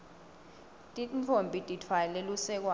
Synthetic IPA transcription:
tʼint͡fʰompʼitʼitʰwalelusɛk̬wa

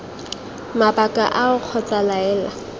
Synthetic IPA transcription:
mapakʼa̰ʔaʊq͡χʰɔt͡sʼalaɛːla

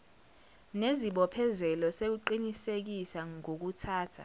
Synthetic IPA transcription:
neziɓɔpʰɛzɛlɔsek̬uǃinisek̬isaŋok̬utʰaːtʰa̰

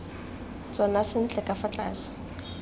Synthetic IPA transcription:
t͡sʼɔnasɪn̩t͡ɬʼɛkʼafat͡ɬʼa̰ːsɪ̥

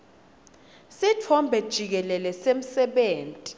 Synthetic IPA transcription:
sitʰɔmbʱɛd̥ʒ̥ʱik̬ɛlɛlɛsem̩sɛɓeːntʼi

